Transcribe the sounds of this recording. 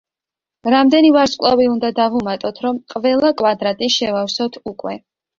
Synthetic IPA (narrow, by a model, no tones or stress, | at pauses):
ɾamd̪ɛnivaɾsʼkʼlˠaviund̪ad̪avumat̪ʼɔt̪ʰɾɔmqʼvɛlˠakʼwad̪ɾat̪ʼiʃɛvafsɔt̪ʰukʼwɛ